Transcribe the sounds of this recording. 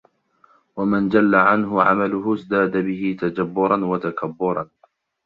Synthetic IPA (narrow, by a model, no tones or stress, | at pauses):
wamand͡ʒalːaʕanɦʊʕa̰malʊɦʊzd̪aːd̪abɪhɪt̪ad͡ʒabːʊɾˤɑnwat̪akʰabːʊɾˤɑn